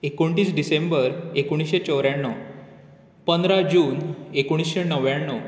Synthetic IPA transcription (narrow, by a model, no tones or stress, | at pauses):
ekoɳʈiːsɖisẽmbəɾekuɽ̃isɕet͡ɕəwɾjaɳːɔ | pənd̪ɾad͡ʑuːnekoɽ̃isɕenəʋjaɳːɔ